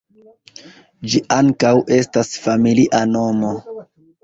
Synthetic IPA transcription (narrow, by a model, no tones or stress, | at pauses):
d͡ʒiʔaŋkawʔe̞stasfamiliʔano̞mo̞